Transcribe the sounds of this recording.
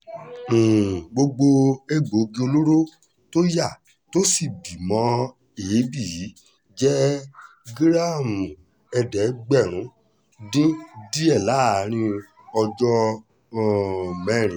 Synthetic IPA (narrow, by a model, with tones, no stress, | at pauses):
ɡ͡bo˧ɡ͡bo˧e˦ɡ͡bo˨˦ɡi˧˦o˧lo˦ɾo˦ | to˦ja˦˨ | to˦si˦˨bi˨mɔ̃˨˦ | e˨e˨˦bi˦˨ji˨˦ | d͡ʒɛ˦ | ɡɾa˦˨mũ˨ | ɛ˧dɛ˨˦ɡ͡bɛ˦˨ɾ̃ũ˨˦ | dĩ˦di˦ɛ˦˨la˦˨ɾ̃ĩ˧ | ɔ˧d͡ʒɔ˦˨ | mɛ̃˦˨ɾ̃ĩ˨